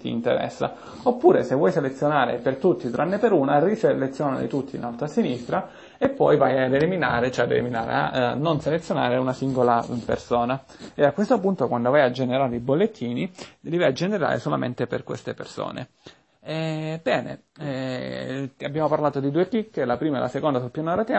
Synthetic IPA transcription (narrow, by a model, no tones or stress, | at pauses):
t̪iːnt̪ḛɾɛ̰sːa̰ | opːuːɾesevwɔjselet̪sjonaːɾḛpert̪ut̪ːit̪uɾanːepeɾuːnariselet̪sːjoːna̰lḭt̪ut̪ʰːḭnalt̪ɾasinist̪ɾa | epːɔjvajad̪elimina̰ːɾet͡ʃɛad̪ḛlimina̰ːɾḛa̰nːonselet̪sjona̰ːɾeunasiŋɡolapḛrsoːna | eakwest̪opunt̪okwand̪ovajad͡ʒːeneɾaːɾeibolːet̪ʰːiːnilivajad͡ʒeneɾa̰ːɾḛsola̰mḛnt̪epḛrkwḛst̪epḛrso̰ːnḛ | ɛbɛːnḛ | ɛ | abːjaːmoparlaːt̪od̪id̪uːeklikːlapɾiːmaɛ̰lʔa̰sekond̪asulpjanɔɾat̪ɛ